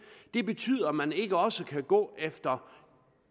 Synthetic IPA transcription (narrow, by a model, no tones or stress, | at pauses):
d̥e̝b̥e̝t͡sʰy̰ːð̰ˠɐmæne̝ɡ̥əɒ̽səkʰæɡ̥ɔ̰ːefd̥ɐ